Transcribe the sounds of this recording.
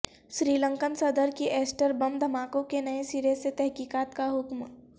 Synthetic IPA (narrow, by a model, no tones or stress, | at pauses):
ʃɾiːlə̃ŋkənsɐd̪əɾkiʔɛːsʈəɾbɐmd̪ʱɐmaːkõkenɐẽsiːɾeset̪ɛɦkiːkaːt̪kaɦʊkm